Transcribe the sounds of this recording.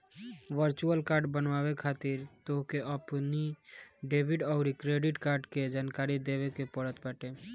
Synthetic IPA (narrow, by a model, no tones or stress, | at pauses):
ʋəɾt͡ʃuəlkaɾɖbənʋabekʰat̪iɾt̪oɦkeʔəpniɖebʱiɖɔʊɾikɾeɖiʈkaɾɖked͡ʒaːnkaɾid̪ebekepəɽət̪bəʈe